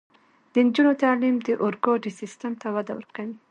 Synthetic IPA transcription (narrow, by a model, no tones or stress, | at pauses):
d̪̥ənd͡ʒunot̪ɑlimd̪əʔʊɾɡoɖisistəmt̪awad̪awə̰ɾkawi